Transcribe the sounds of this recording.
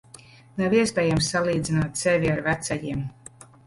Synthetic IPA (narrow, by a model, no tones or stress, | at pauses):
naviɛspɛːjamsːalˠiːd̪zinaːt̪sɛvʲiaɾvæt̪sajiɛm